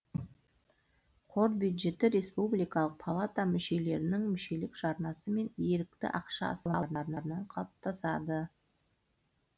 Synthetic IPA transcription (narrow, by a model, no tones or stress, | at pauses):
qʰo̞ɾbʲjud̪ʒe̞t̪ɪɾe̞spublijkɑlˠəq̚pʰalˠat̪amʏʃe̞le̞ɾɪnɪŋmʏʃe̞lɪkʒ̥ɑɾnɑsəme̞neɾɪk̚t̪ɪ̰ʔɑqʃɑ̰ɑ̰səlˠɑɾnɑɾənɑɾənɑɴqʰɑp̚t̪ɑsɑd̪ə